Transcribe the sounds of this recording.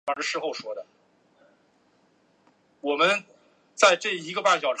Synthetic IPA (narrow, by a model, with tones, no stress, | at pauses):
ɑ˥ə˧ʂɻ̩˥˧xo˥˩ʊʂwɔ˥d̪ə˨ | wɔ˨˩mə˦n | t͡sa˥˧ɪʈ͡ʂɤ˥˩i˧˥ɡə˧pa˥˩t͡ɕjɑ˨˩ʊʈ͡ʂ